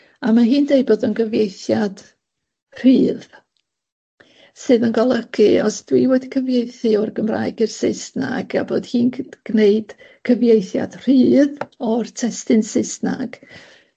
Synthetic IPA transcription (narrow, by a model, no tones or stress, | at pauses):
amaɦiːndej̚boːdənɡəvjejθjad̥ | r̥iːð | sɨːðənɡɔlˠəkʰɨɔsd̥wiwodkʰəvjejθɨɔrɡəmra̰jɡɨrsɪsna̰ɡa̰boːd̥hiːnɡ̥neɨd̥ | kʰəvjejθja̰d̥r̥iːðɔrtʰɛstɨnsɪsna̰ɡ̥